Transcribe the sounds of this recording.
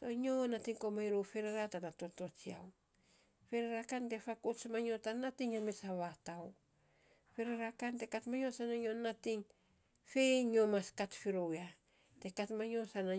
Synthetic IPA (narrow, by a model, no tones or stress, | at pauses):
toɲonatiŋkomajɾowfeɾeɾatanato̞to̞t͡ʃia̰w | feɾeɾakante̞fakosmaɲotanatiŋamesaβataw | feɾeɾakante̞katmaɲo̞sanaɲonːatiŋ | fe̞jɲomaskatfiɾowa | te̞katmaɲo̞sana